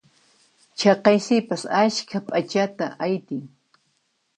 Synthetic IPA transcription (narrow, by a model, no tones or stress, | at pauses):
t͡ʃɑqɑjsɪpasaʃkʰapʼat͡ʃat̪a̰ʔajt̪ɪŋ